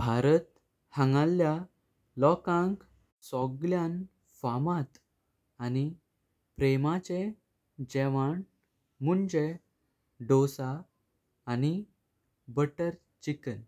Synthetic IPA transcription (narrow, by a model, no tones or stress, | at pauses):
bʱaɾət̪ | haŋɡalja | lɔkãŋk | sɔɡljãn | famat̪ː | ni | pɾemat͡ɕe | d͡ʑɛʋaɳ | muɳd͡ʑe | ɖosaː | ni | bəʈəɾ | t͡ɕikən